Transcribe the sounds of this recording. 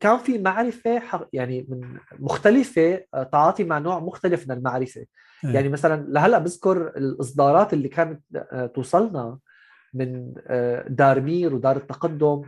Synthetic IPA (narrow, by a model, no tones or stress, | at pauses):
kaːnfimaʕɾɪfeħɑjaʕnimɪnmʊxt̪alɪfet̪ʕɑːt̪ˤimaʕnoːʕmʊxt̪alɪfmɪnɪlmaʕɾɪfe | jaʕnimasalanlaɦalːaʔbɪzkʊɾɪlʔɨs̬ˤd̪ˤɑːɾˤɑːt̪ʔɪlːikaːnat̪t̪ːusˤɑlnɑ | mɪn | d̪ɑːɾˤmiːɾwd̪ɑːɾˤɪt̪ːɑqad̪ːʊm